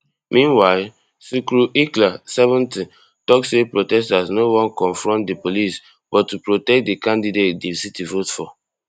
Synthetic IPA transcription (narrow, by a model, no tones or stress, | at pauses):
mʔĩnwaɪl | sikɹuʔiklasɛvɔ̃nti | tɔksːepɹotɛstasnowɔ̃nkɔ̃ɱfɹɔ̃ntdepolis | b̥ɔtːupɹotɛk̚t̚dekãndidet̚desitivotfɔ